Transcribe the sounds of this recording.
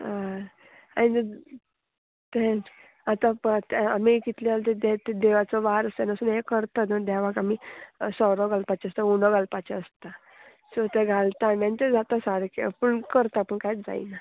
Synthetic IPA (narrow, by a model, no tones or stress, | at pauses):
a | a̰ni | t̪e | at̪ãt̪amikit̪lialt̪ed̪et̪ed̪eʋat͡sɔʋaɾəst̪enəsuːnekəɾt̪at̪nəd̪aʋakamisɔɾɔɡalpat͡ɕɛəst̪aunɔɡalpat͡ɕeəst̪a | sut̪eɡʱalt̪anãnit̪ed͡zat̪asaɾkḭpəɳkəɾt̪apəɳkajd͡za̰ḭna